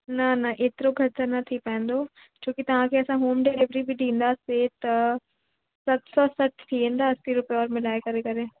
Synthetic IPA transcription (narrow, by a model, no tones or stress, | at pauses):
nanaʔɪt̪ɾõɡʱɐɾsanat̪ʰiːpɛ̃ːnd̪oː | t͡ʃõːkit̪ɐʋãːkeɐsãɦoːmɖeːlɪʋəɾibʱiːɖĩːnd̪aːseːt̪ɐ | sɐt̪sɔːsəʈʰt̪ʰiɦẽːnd̪aːɐsiɾʊpeɔːɾmɪlaːekɐɾeːkɐɾẽː